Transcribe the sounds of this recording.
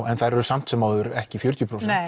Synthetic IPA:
ɛnθajɾɛɾʏsam̥t̪sɛmaðʏɾɛhcɪfjœɾ̥t̪jʏpʰɾowsɛ

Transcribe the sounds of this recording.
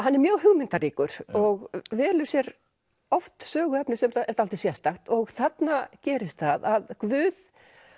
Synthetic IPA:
hanːɛɾmjœːɣɦʏɣmɪnt̪ariːkʏɾ̥ɔɣvɛːlʏɾ̥sjɛɾ | ɔft̪sœːɣʏɛpnɪsɛmɛɾ̥t̪alt̪ɪsjɛst̪axt̪ɔɣθat̪nacɛːɾɪst̪θaðaðkvʏːð

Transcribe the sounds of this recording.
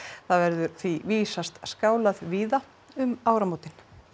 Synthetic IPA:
θaðvɛɾðʏɾθviviːsast̪skaːwlaðviːða | ʏmaːwɾamoːwt̪ɪn

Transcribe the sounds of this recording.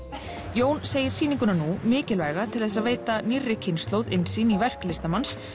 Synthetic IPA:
joːwnseːjɪɾ̥siːniŋkʏnanumɪːcɪlvɛjɣat̪ʰɪlθɛs̬aðveːjt̪anirːɪcʰɪnst̪lowðɪnsiːnivɛr̥klɪst̪amans

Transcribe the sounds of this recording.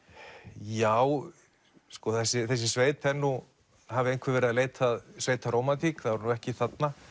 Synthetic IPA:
jaːw | skɔθɛsːɪθɛs̬ːɪsveːjt̪ʰɛnːu | havɪejn̥kʰvɪɾvɛːɾɪaðleːjt̪ʰaðsveːjt̪ʰaɾowmat̪ʰikθaðɾnuɛhcɪθat̪na

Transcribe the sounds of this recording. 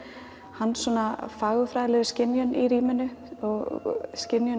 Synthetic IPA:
hanːsɔːnafaːɣʏfɾaːðɪlɛðʏscɪnjœniɾiːmɪnʏɔɣscɪnjʏ

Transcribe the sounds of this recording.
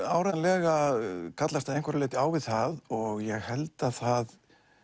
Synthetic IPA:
aːwɾaðanlɛːɣakʰat̪last̪aðẽjŋkvɛɾɪlɪːt̪ɪaːwvɪðθaðɔɣjɛɣhɛlt̪aθað

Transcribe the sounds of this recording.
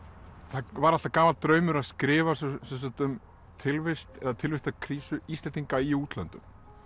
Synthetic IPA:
θavaɾaht̪akaːmalt̪ɾœːɥmʏɾaðskɾɪːvassɛmsat̪ʏm | t̪ʰɪlvɪst̪ɛðat̪ʰɪlvɪst̪akʰɾiːsʏist̪ɛnt̪ːiŋkaiuːt̪lœ̰nt̪ʏm

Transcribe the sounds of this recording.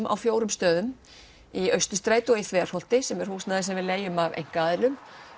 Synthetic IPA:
mʔa̰wfjoːwɾʏmst̪œːðʏm | iœɥst̪ʏst̪ɾaːjt̪ɔeθvɛːarhɔl̥t̪ɪsɛmɛɾ̥huːsnaðɪsɛmvɪðleːjʏmavḛjŋ̥kaːðɪlʏm

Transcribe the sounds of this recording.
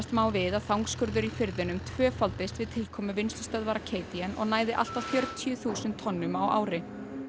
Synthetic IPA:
st̪maːwvɪðaðθawŋkskʏɾðʏɾifɪɾðɪnʏmt̪ʰvœːfalt̪ɪst̪vɪðt̪ʰɪlkʰɔːmʏvɪnst̪ʏ̥st̪œðvaɾakʰeːjt̪iɛnɔ̰ɣnaːjðɪʔa̰l̥t̪awθjœɾt̪ʰjʏθuːsɪnt̪ʰːɔnːʏmawʔa̰ːwɾɪ

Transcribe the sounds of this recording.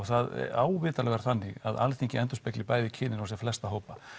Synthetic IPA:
ɣθaðaːwvɪːt̪alɛɣɛɾ̥θanːɪɣa̰ða̰lθiɲcɪɛnt̪ʏspɛklɪpaːjðɪcʰɪːnɪnawsjɛflɛst̪aɦoːwpa

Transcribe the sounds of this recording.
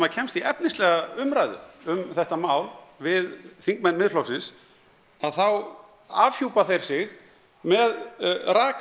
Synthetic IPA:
maðcʰɛmst̪iɛpnɪslɛɣaʏmɾajðʏ̰ʏmθɛht̪amaːwlvɪðθiŋkmɛnːmɪðflɔwsɪns | aðθaw | avçuːwpaθejɾ̥sɪɣ | mɛðraːk

